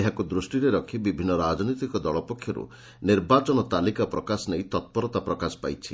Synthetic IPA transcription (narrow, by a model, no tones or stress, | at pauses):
eɦakud̪ɾusʈiɾeɾɔkʰibibʱinːɔɾad͡ʒɔnit̪ikɔd̪ɔɭɔpɔkʰːjɔɾṵ | niɾbat͡ʃɔnɔt̪alikapɾɔkasɔnejt̪ɔt̪̚pɔɾɔt̪apɾɔkasɔ̥pa̰jt͡ʃʰi